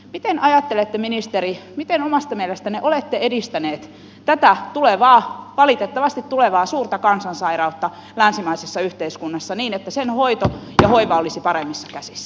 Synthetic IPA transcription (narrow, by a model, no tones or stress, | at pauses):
mit̪enɑjɑt̪ːelet̪ːeminist̪eɾimit̪enomɑst̪ɑmielest̪æneʔolet̪ːeedist̪æneːt̪ | t̪æt̪æt̪uleʋɑːʋɑlit̪et̪ːɑʋɑst̪it̪t̪uleʋɑːsuːrt̪ɑkɑnsɑnsɑirɑut̪ːɑ | lænsimæisesːɑyht̪eiskunːɑsːɑniːnet̪ːæsenhoit̪ojɑhoiʋɑolisipɑɾemːisːɑkæsisːæ̥